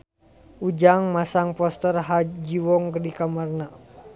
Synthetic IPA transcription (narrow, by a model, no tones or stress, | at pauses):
ud͡ʒaŋmasaŋpɔst̪ərɦad͡ʒiwɔŋkədikamarna